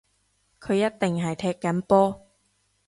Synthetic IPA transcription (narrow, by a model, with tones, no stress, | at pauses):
kʰɵ˨˧ɥjɐ˥t̚t̪ɪ˨ŋɦɐ˨jt̪ʰɛː˧kːɐ˨˥npɔː˥